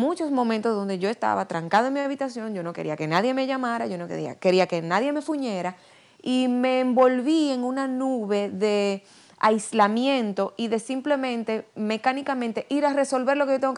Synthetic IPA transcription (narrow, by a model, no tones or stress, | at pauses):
mũt͡ʃo̞smo̞mẽnt̪osðo̞nd̪e̞ʝo̞e̞st̪a̰βat̪ɾaŋkaðoemiaβit̪asjo̞ŋd͡ʒo̞no̞ke̞ɾḭake̞naðje̞me̞ʝamaɾaʝo̞nokḛia̰ke̞ɾiake̞naðje̞me̞fuɲe̞ɾa | ime̞ːmbo̞lβie̞ŋunanuβe̞ðe̞ | a̰islamjẽ̞nt̪o̞ʔiðe̞simple̞mẽ̞nt̪e̞me̞kanikamẽnt̪eʔiɾare̞so̞lβe̞ɾloke̞jot̪eŋɡok